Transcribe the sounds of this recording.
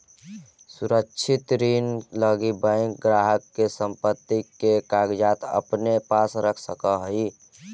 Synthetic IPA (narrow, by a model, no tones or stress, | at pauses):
suɾəkt͡ʃʰɪt̪ɾiːnləɡibə̃ŋkɡɾaːɦəkːesə̃mpət̪ːikekaːɡd͡ʒaːt̪ə̰pnepaːsɾəkʰsəkəɦi